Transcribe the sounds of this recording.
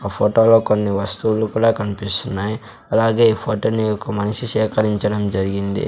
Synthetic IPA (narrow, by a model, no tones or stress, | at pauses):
aːpʰoːʈo̞ːlo̞ːkonːiʋɐst̪uwulukuːɽaːkɐnipist̪unːaːji | ɐlaːɡe̞ːiːpʰoːʈoːnijokːɐmɐnɐʂiʃɛːkɐɾiɲt͡ʃɐɽɐmd͡ʒɐɾiɡind̪ḭ